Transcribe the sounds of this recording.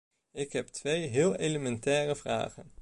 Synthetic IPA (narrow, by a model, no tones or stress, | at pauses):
ɪkɦɛp̚tʋejɦɪːlˠejləmɛntɛːrəvra̰ːχən